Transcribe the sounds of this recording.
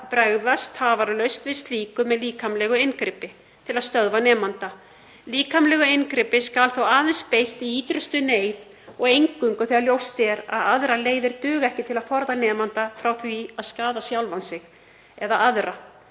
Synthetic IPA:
pɾɛɣvast̪haːvaɾlœɥst̪vɪst̪liːkʏmɛðliːkʰamlɛɣʏenkɾɪpɪ | t̪ʰɪlaðst̪œðvanɛːmant̪a | liːkamlɛɣʏenkɾɪpɪskalθowaːðɛnspejht̪iiːt̪ɾʏst̪ʏneːjð | ɔɣejŋkʏŋkʏθɛɣaɾljowst̪jɛɾa̰ðaðɾaleːjðɪɾ̥t̪ʏːɣɛhcɪt̪ʰɪlaðfɔɾðanɛːmant̪afɾawθviaðskaːðasjawlvansɪx | ɛðaʔaðɾa

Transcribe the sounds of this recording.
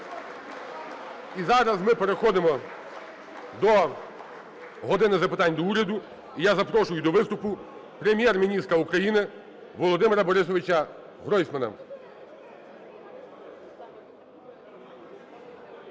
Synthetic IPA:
izɑɾɐzmɪpeɾexɔd̪ɪmɔ | d̪ɔ | ɦɔd̪ɪnɪzɐpɪt̪ɑnʲd̪ɔuɾʲɐd̪ʊ | ijazɐpɾɔʃʊjʊd̪ɔʋɪst̪ʊpʊpɾemʲjɛrmʲinʲist̪ɾɐukɾɐjinɪ | ʋɔlˠɔd̪ɪmeɾɐbɔɾɪs̬ɔʋʲɪt͡ʃɐ | ɦɾɔjsʲmɐnɐ̰

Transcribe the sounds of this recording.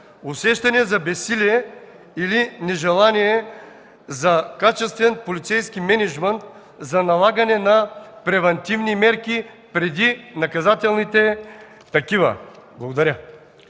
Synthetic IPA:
ʊsɛʃt̪ɐniɛzɐbɛsiliɛ | ilinɛʒɛlˠaniɛ | zakat͡ʃɛst̪vɛnpolit̪sɛjskimɛnɛʒmɛnt̪ | zanɐlˠaɡɐnɛnapɾɛvɐnt̪ivnimɛɾkʲi | pɾɛd̪inɐkɐzat̪ɛlˠnit̪ɛ | t̪ɐkivɐ̰blˠɐɡod̪ɐɾʲa

